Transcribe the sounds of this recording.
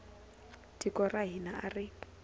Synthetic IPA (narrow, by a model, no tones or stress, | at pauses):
tikʼɔraɦinaʔarɪ